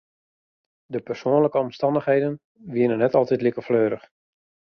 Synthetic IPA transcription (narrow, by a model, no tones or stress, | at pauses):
dəpərsoənləkəɔmstɑndəxɦejdən | ʋiənənːɛtɑlˠtɛtlikəfløːɾəx